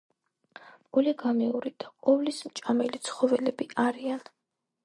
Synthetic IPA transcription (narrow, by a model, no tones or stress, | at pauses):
ɡ̥uliɡamɛuɾid̪̥aqʼɔvlismt͡ʃʼamɛlit̪sʰχɔvɛlɛbiʔaɾian